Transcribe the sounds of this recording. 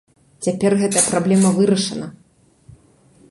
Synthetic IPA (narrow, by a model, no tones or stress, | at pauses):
t͡sʲapʲɛrɣɛt̪ɐjɐpɾablʲɛmɐvɨɾɐʂɐnɐ